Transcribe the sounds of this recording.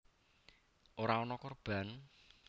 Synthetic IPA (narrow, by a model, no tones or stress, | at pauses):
ʔoɾaɔnɔkorb̥a̤n